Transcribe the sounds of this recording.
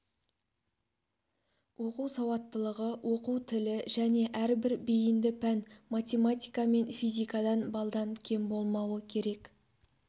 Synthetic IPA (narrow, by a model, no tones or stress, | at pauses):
wʔo̞quwsɑwɑt̪ːəlˠəʁəwʔo̞quwt̪ʰɪlɪʒæne̞ʔæɾbɪɾbijɪnd̪ɪpʰænmat̪ʲe̞mat̪ʲijkɑme̞nfijzʲijkɑd̪ɑnbɑlˠd̪ɑŋkʲʰe̞mbo̞lˠmɑwəkʲʰe̞ɾe̞k